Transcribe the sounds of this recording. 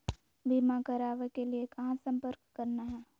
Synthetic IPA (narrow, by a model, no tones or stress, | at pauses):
biːmãkɐɾaːʋekeliekɐɦãsɐ̃mpəɾkːɐɾnaɦɛː